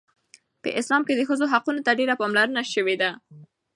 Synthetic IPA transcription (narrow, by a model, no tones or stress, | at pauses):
pə̰ʔɪslɑmked̪əxəzoɦaqunot̪aɖeɾapɑmlaɾənaʃəwed̪a